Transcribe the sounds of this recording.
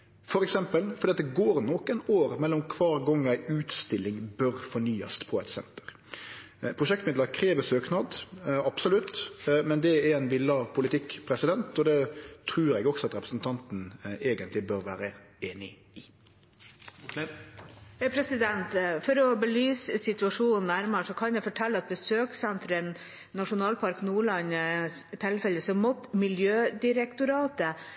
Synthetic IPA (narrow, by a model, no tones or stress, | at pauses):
fɔɾɛksɛmpəlfɔɾiːɑt̪d̪ɛɡoːɾnɔkənoːɾmɛlːɔmkʰʋɑːɾɡɔŋːæɪʉːt̪st̪ɪlːɪŋbœɾfɔɳyːɑ̰st̪pʰɔɛt̪sɛ̰nt̪ə̥ɾ | pʰɾʁʊʃɛk̚t̪mɪd̪ləɾkʰɾeːʋəsøːknɑd̪ɑpsʊlʉt̪ːmɛnd̪ɛɛɾɛnʋɪlːɑpʰʊlɪt̪ʰɪkpʰɾɛsɪd̪ɛnt̪ɔd̪ɛt̪ʰɾʉːɾɛɡɔksɔɑt̪ɾɛpɾəsn̩t̪ʰɑnt̪n̩eːɡənt̪lɪbøɾʋæːɾə | eːnɪ̰ | ɪ | pʰɾɛsɪd̪ɛnt̪fɔɾɔbəlyːssɪt̪ʉɑʂuːnnæɾməʂɔkʰɑnjɛfɔʈʰɛlːəɑt̪̚bəsøːksɛnt̪ɾənː | ɑʂʊnɑːlpʰɑɾknuːɭɑnst̪ʰɛlfɛlːəsɔmɔt̪ːmɪljøːd̪ɪɾɛkt̪ʊɾɑːt̪ə